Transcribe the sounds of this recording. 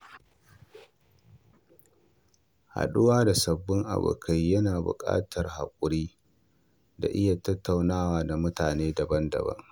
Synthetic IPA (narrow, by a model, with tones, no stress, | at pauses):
ha̰˨ɗʊ˦waː˦da˨sɐ˨bːɪ˦ŋʔa̰˨bʊ̰˨kʰa˦jːɐ˦naː˨bʊ̰˨kʼa̰ː˦tʰɐ˨rha˨kʷʼʊ˨ɽiː˦ | da̰˨ʔɪ˦ja˨tɐ˦tʰːa˨wnaː˦waː˨da˨mʊ˦taː˨neː˦dɐ˨bɐ˦ndɐ̰˨bɐ̰˦ŋ